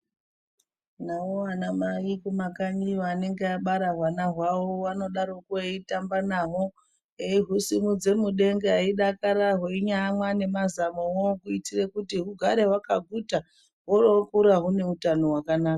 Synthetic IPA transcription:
nawoanamaikumakaɲioane̞ŋɡeaɓaɾaɦwanaɦwawowano̞ɗaɾokuaitambanaɦo | eiɦusimud͡ze̞muɗe̞ŋɡeɦaiɗakaɾaɦweiɲamwane̞mazamowokuitirekutiɦuɡʱaɾe̞ɦwakaɡʱuta | ɦorokuɾaɦune̞utano̞ɦwakanaːka

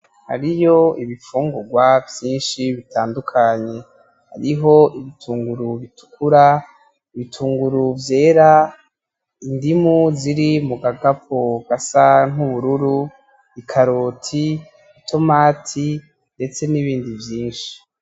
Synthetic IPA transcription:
ha̰ɾijo̞iβifuːŋɡuɡwavjiːnʃiβitʰaːndukʰaɲe̞ | ha̰ɾiɦo̞ʔiβitʰuːŋɡuɾuβitʰu̥kuɾa | iβitʰuːŋɡuɾuvje̞ːɾa | indimuziɾimuɡaɡap̚ʰoɡ̥asan̥uβuɾuɾu | ikʰaɾotʰi | itʰo̞maːtʰi | nde̞t͡se̞niβiːndivjiːnʃi̥

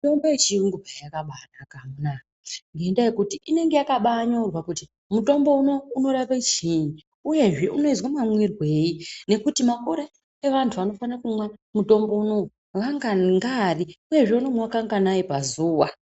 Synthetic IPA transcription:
to̞mboet͡ʃiuŋɡubʱajakaɓanakamunakaŋɡeendajekutiʔine̞ŋɡe̞jakaɓaːɲaurwakuti | muto̞mbo̞uno̞uno̞rakat͡ʃiɲi | uje̞ʐe̞ʔuno̞izwamamwirwe̞ːine̞kutimakoɾe | eʋantʰuʋano̞fanrakumwamuto̞mbouno̞ | ʋaŋɡaŋɡariuje̞ʐe̞unomwakaŋɡanaipazuːwa

